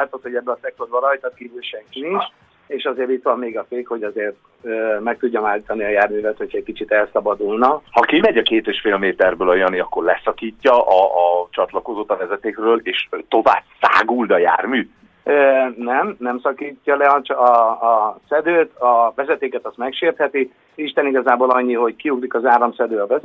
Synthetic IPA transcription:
aːt̪ot̪hoɟɛbːølɒsɛk̚t̪od̪bɒlɒjt̪ɒt̪̚kiːvylʃɛŋkinint͡ʃ | eːʃɒzeːɾit̪ʋɒmːeːɡɒfeːkho̞ɟɒzeːrt̪ | øːmɛk̚t̪uɟːɒmaːlit̪ɒniɒjaːrmyːvɛt̪ho̞cʰɛc̚kit͡ʃit̪ɛlsɒbɒd̪ulnɒhɒkimɛɟɒkeːt̪eːʃfeːlmeːt̪ɛrbøːlɒjɒniɒkːo̞rlɛsɒkiːcːɒʔɒɒt͡ʃɒt̪lɒko̞zoːt̪ɒvɛzɛt̪eːkrøːleːʃt̪o̞va̰ːbsa̰ːɡuld̪ɒja̰ːrmyː | ønɛmnɛmsɒkiːcːɒlɛɒt͡ʃɒː | sɛd̪øːt̪ʰɒvɛzɛt̪eːkɛt̪ɒst̪mɛkʃeːrt̪hɛt̪i | iʃt̪ɛniɡɒzaːboːlɒɲːiɦo̞ɟkiuɡlikɒzaːɾɒmsɛd̪øːɒvɛz

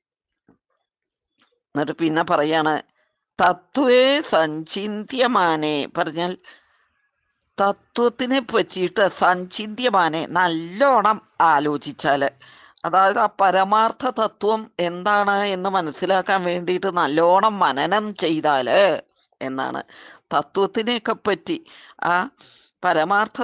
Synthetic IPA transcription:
nɐʈːɨpinːepɐrɐjːaːɳɨ̰ | t̪ɐt̪ːʋesɐɲt͡ɕind̪jɐmaːnepɐrɐɲːaːl | t̪ɐt̪ːʋɐt̪ːinɨpʋɐtːijiʈːɨsɐɲt͡ɕind̪jɐmaːnenɐlːo̞ːɳɐmaːlo̞ːt͡ɕit͡ɕːaːlɨ | ɐðaːjɐðaːpɐɾɐmaːrt̪ʰɐt̪ɐt̪ːʋɐme̞nd̪aːɳɨe̞nːɨmɐnɐsːilaːkːaːnʋe̞ːɳɖijiʈːɨnɐlːoːɳɐmːɐnɐnɐmt͡ɕe̞jt̪aːlɨ | e̞nːa̰ːɳɨ̰t̪ɐt̪ːʋɐt̪ːinekːepːɐtːiaː | pɐɾɐmaːrt̪ʰɐ

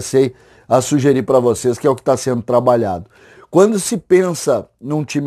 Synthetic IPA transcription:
sej | ɐsuʒeɾipɾɐvoseskɪɛʊkɪ̥t̪asẽnd̪ʊt̪ɾabaʎa̰d̪ʊ | kwɐ̃nd̪ʊsɪpẽsɐnũt͡ʃĩm

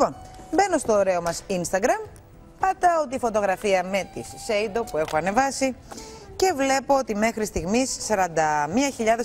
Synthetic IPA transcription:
ponbe̞no̞st̪o̞ːɾe̞omɐsinst̪ɐɡɾɐm | pɐd̪ɐot̪ifo̞t̪o̞ɣɾɐfiɐme̞t̪isːejd̪o̞pue̞xoɐne̞vɐsi | ce̞vle̞po̞ot̪ime̞xɾist̪iɣmisːɐɾɐnd̪ɐmiɐçiʎɐðes

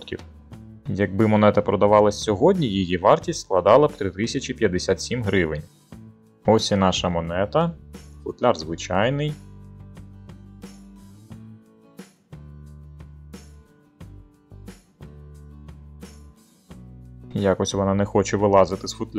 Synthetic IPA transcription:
t̪kʲḭw | jɐɡ̚bɪmɔnɛt̪ɐpɾɔd̪ɐʋɑlˠɐsʲsʲɔɦɔdʲnʲijijiʋɑrtʲistʲsklˠɐd̪ɑlˠɐwt̪ɾɪt̪ɪsʲɐt͡ʃipʲjɐd̪ːesʲat̪sʲimɦɾɪʋɪnʲ | ɔsʲinɑʃɐmɔnɛt̪ɐfʊt̪lʲɑrzʋɪt͡ʃɑjnɪj | jɑkɔsʲʋɔnɑnɛxɔt͡ʃɛʋɪlˠɑzɪt̪ɪsfʊt̪lʲ

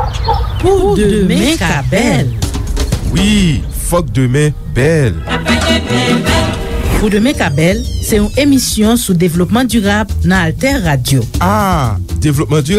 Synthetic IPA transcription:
pud̪d̪mɛ̃ɛ̃kabɛl | wi | fɔk̚d̪ømɛ̃ | bɛl | pud̪əmɛ̃kabɛlsɛũemisjɔ̃sud̪evlɔpmɑ̃d̪yʁablnãalt̪ɛʁːad̪joad̪evlɔp̚mɑ̃d̪y

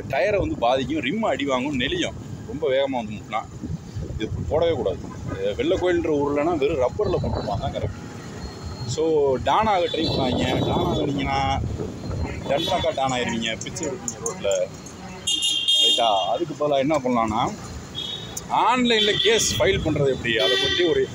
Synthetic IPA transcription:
ʈɐjɐɾʋɐnd̪ɯbaːðɪk̬ʲːʊ̃ɾɪmːɐɽɪʋaːŋɡʊ̃mnɛlɪjʊ̃ | ɾɔmbɐʋeːɣɐmaːʋɐnd̪ɯmʈːlã̰ː | ɪðɯpoːɽɐʋeːkuːɽa̰ːðɯ | ʋɛɭːɐkːoːjɪlndɾɐuːɾɯlɐnaːʋɛɾɯɾɐpːɐɾlɐkɔɳɯkʋãːt̪ãːkɐɾɐ̰kːʊ̃ | soːɖaːnaːɣɐʈɾɐɪmpɐnaːiŋɡɐɖaːnaːɐnɪŋɡɐnːaː | ɖɐɳʈaːkːaːɖaːnaːɪɾɯʋiːŋɡɐpɪt͡ʃːɛɽɯkːɯnɔɾʋɐɾlɐ | kɐɪʈːaːɐðɯk̬ːɯpoːlaːɛnːɐp̬ɐɳlãːnːaː | aːnlɐɪnlɐkeːsfɐjɪlpɐɳːɾɐðɯɛpːɐɽiɐðɐsɐt̪ɾiɔɾɯ

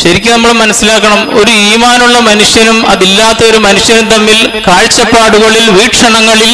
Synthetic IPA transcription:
ɕɐɾikʲːunɐmːɐɭmɐnɐsːilaːkːɐɳɐmo̞ɾuiːmaːnuɭːɐmɐnuʂjɐnumɐðilːaːt̪ːɐo̞ɾumɐnuʂjɐnumt̪ɐnːilkaːɻt͡ɕːɐpːaːɽuɣɐɭilʋiːʈʂɐɳɐŋːɐɭil

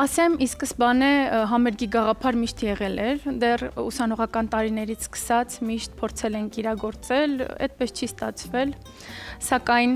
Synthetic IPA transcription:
ɑsɛmiskəsbɑnɛɦɑmɛɾɡiɡɑʁɑpʰɑɾmiʃt̪jɛʁɛlɛɾd̪ɛrṵsɑnɔʁɑkɑnt̪ɑɾinɛɾit͡sʰskə̥sɑt͡sʰmiʃt̪̚pʰɔɾt͡sʰɛlɛŋkʰiɾɑɡɔɾt͡sɛlɛ̰t̪̚pɛst͡ʃʰist̪ɑt͡sʰvɛl | sɑkɑjn

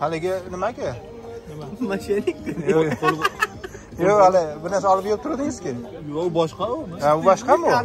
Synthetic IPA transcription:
halɪɡʲɪnɪmakʲɪ | amaʃenɪk̪̚ʲɪolˠ | joalɪbɪɾnaɾsaɒlɪp̚jʲeɾɪp̚t̪ʰʊɾad̪ɪŋɪz̥kʲɪjobɒʃqɑʊaʊbɒʃqɑmʊ

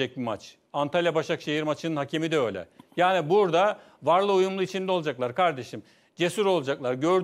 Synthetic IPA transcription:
ɛc̚bimat͡ʃ | ant̪ʰalʲjabaʃakʃejiɾmat͡ʃʰɯnɯnɦacʰemid̪ɛø̞jlʲɛ̰jaːnibuɾd̪a | vaɾlˠɯujumlˠuit͡ʃʰind̪ɛod͡ʒaklˠaɾkʰaɾd̪e̞ʃim | d͡ʒe̞suɾo̞lˠad͡ʒaklˠaɾɟø̞ɾd̪

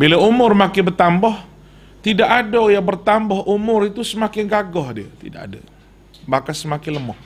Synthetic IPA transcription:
bilaumʊrmakɪnbərt̪ambɔh | t̪idaʔadajabərt̪ambɔhʔumʊɾit̪usəmakɪnɡaɡɔhdia̰t̪ḭdaka̰da̰ | bakansəmakɪnləmɔh

